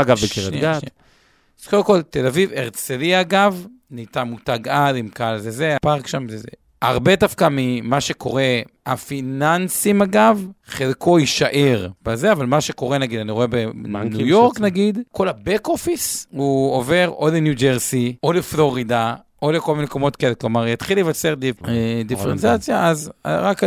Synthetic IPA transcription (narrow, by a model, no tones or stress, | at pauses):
aɡavbekeʁentɡate | zkodemko̞lt̪elaviveʁt͡seliaɡav | nitamutaɡadimkalzezeapaʁkʃamzezḛ | aʁbe̞dafkamimaʃeko̞̰ʁe̞afinansimaɡavχelkʰo̞iʃaʔeʁbazeavalmaʃeko̞ʁenaɡid̪aniʁoebenujoʁknaɡid̪ko̞labekofishuove̞ʁolenjud͡ʒeʁsioleflo̞ʁid̪a | o̞leko̞lmineko̞mo̞t̪keleklo̞maʁjat̪χilevat͡seʁdied̪ifeʁent͡sat͡sjaʔaza̰ʁak